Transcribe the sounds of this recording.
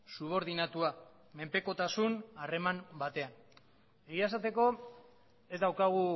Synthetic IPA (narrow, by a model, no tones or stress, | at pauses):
suβ̞o̞ɾð̞inat̪ua | me̞mpe̞ko̞t̪asunare̞mambat̪e̞an | e̞ɣiaesat̪e̞ko̞ | e̞zd̪awkaɣ̞u